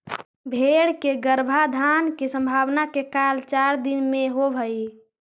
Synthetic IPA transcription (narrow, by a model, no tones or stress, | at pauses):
bʱeɽkeɡəɾbʱad̪ʱankesə̃mbʱaːwnakekalt͡ʃaɾd̪inmẽɦobʱəi